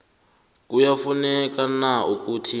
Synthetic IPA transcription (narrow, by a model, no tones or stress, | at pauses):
k̬ʼujafunɛk̬ʼanauk̬ʼuːtʰi